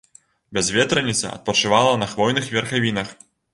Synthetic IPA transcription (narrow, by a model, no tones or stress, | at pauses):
bʲɛzvʲɛt̪ɾɐnʲit̪sɐ̰ɐ̰t̪̚pɐt͡ʂɨvalˠɐnɐxvɔjnɨxvʲɛrxavʲinɐx